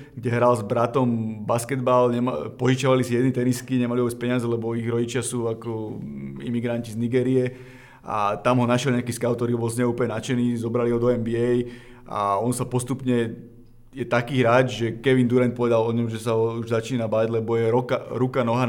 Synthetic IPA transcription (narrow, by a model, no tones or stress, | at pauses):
ɡɟɛɦɾalzbɾat̪ɔmbaskɛd̪balɲɛmpɔʒit͡ʃaʋalisijɛd̪nit̪ɛniskiɲɛmaliɔbɛt͡spɛɲɪazɛlɛbɔiɣɾɔɟit͡ʃɪasuːakɔḭmiɡɾancizniɡɛːɾiɛ | a̰t̪amɦɔnaʃjɛlɲɛakiːskaʊt̪ɔɾiɦɔbɔlsɲɛuːpəɲɛnat͡ʃɛniːzɔbɾaliɦɔd̪ɔɛmbiɛj | ʔa̰ɔnsapɔst̪upɲɛ | jɛt̪akiːɦɾaːd͡ʒʒɛkɛʋind̪uɾɛnt̪̚pɔʋɛd̪alɔɲɔmʒɛsaɦɔuʒzat͡ʃiːnabaɟlɛbɔjɛɾɔkaɾukanɔɦa